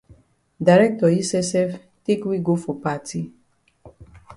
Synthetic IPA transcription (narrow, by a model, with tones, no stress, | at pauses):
da˨ɾɛ˦k̚tɔ˨i˦sɛ˦sɛ˦f | te˦kwi˦ɡo˦fo˨pa˨ti˦